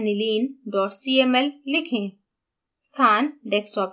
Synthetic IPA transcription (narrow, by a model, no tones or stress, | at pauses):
niliːnɖɔːʈsieːmɛlːɪkʰẽː | st̪ʰaːnɖɛːksʈɔːp